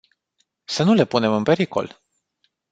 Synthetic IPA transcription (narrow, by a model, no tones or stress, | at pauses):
sənule̞pune̞mɨnpe̞ɾiko̞̰l